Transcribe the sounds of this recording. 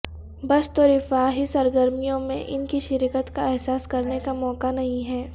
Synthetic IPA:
bɐst̪oɾɪfaːɦisɐɾɡəɾmijõmḛ̃ʔɪnkiʃɪɾikət̪kaɛɦsaːskɐɾnekamɔːkanɐɦĩɦɛː

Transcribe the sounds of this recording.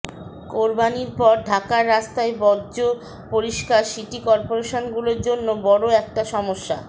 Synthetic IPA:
koɾbaniɾpɔɾɖʱakaɾːast̪aebɔːd͡ʑo | poɾiʃkaɾʃiʈikɔɾpoɾeʃonɡuloɾd͡ʑonːobɔɽoɛk̚ʈaʃɔmoʃːa̰

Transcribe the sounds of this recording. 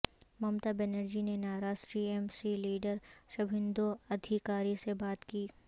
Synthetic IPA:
mɐmt̪abɛnəɾd͡ʒinenaːɾaːʃʈɾiːemsiliːɖəɾʃɐbʱɪ̃nd̪oɐd̪ʱikaːɾisebaːt̪kiː

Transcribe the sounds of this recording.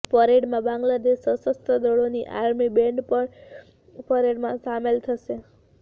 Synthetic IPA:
fəɾeɖmãbãŋɡlad̪eʃəsəst̪ʰəd̪əɭoniʔa̰ɾmibẽɳɖpəɳ | pəɾeɽmãsamelt̪ʰəʃe

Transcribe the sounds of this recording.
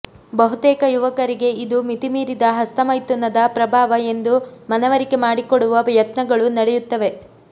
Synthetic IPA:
bɐɦut̪ɛːkɐjuʋɐkɐɾiɡe̞id̪umit̪imiːɾid̪ɐɦɐst̪ɐmɐjt̪unːɐd̪ɐpɾɐbʱaːʋɐe̞nd̪umɐnɐʋɐɾikemaːɽikoɽuʋɐjɐt̪nɐɡɐɭunɐɽɛjut̪ːɐʋe̞

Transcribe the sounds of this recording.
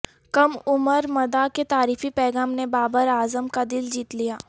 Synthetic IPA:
kɐmʊməɾmɐd̪aket̪aːɾiːfipɛːɡaːmnebaːbəɾaːzəmkad̪ɪld͡ʒiːt̪lijaː

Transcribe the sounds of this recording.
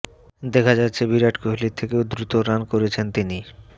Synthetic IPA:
d̪ekʰad͡ʑat̪ːɕʰebiɾaʈkoɦlit̪ʰːekeod̪ɾut̪oɾankoɾet͡ɕʰent̪ini

